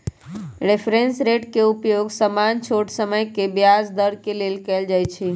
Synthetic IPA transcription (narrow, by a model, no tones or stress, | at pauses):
ɾepʰɾensɾeʈkeupjoɡsəmant͡ʃʰoʈsəməjkebjasd̪əɾkelelkɛld͡ʒajt͡ʃʰi